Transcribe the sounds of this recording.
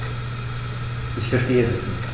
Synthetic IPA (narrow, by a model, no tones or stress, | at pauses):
ʔɪçfɛɐʃteːədɛsnɪ